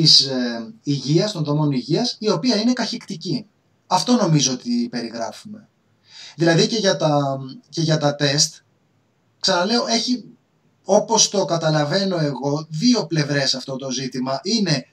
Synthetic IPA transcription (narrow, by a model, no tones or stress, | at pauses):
isiʝiɐst̪o̞nðo̞mo̞niʝiɐsio̞piɐine̞kɐçikt̪ici | ɐft̪o̞no̞mizoo̞t̪ipe̞ɾiɣɾɐ̰fume̞ | ðilɐðice̞ʝɐt̪ɐce̞ʝɐt̪ɐt̪e̞st̪ | ksɐnɐle̞o̞e̞çi | o̞po̞st̪o̞kɐt̪ɐlɐve̞no̞e̞ɣo̞ðio̞ple̞vɾe̞sɐft̪o̞t̪o̞zit̪imɐʔine̞